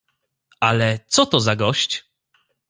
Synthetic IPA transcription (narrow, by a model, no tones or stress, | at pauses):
alɛt̪sɔt̪ɔzaɡɔɕt͡ɕ